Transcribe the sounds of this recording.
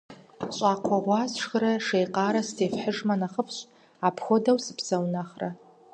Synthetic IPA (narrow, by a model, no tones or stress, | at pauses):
ɕʼaːqʷʰɔʁʷɑːzʂxɾɐʂejqaːɾɐstʰeːfħəʐmɐnaχəpʰɕʼ | apʰxʷodɐwsɨpʰsɐwnaχrɐ